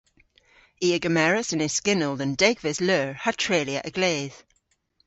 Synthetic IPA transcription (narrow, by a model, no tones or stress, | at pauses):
iːəɡəmɛɹəsə̃nɪz̥skɪnəlˠdə̃ndɛɡvɪzlœːɹhətʰɹ̥eliə̰ʔəɡ̥leːð̥